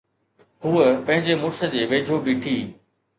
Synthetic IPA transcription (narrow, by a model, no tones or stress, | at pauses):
ɦuːəpɐ̃ɦɪ̃ɲd͡ʑemʊɾsə̆d͡ʑeːʋeːd͡ʑʱobiːʈʰiː